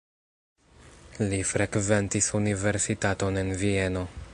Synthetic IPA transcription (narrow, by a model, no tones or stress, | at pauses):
lifɾekve̞ntisunive̞ɾsitato̞ne̞nvie̞no̞